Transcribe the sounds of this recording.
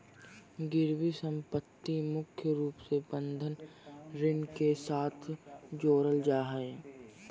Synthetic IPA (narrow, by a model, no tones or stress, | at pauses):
ɡɪɾwisə̃mpət̪ːimʊkʰjəɾuːpsebə̃nd̪ʱənɾɪnkesaːt̪ʰd͡ʒoːɾəld͡ʒaːɦəe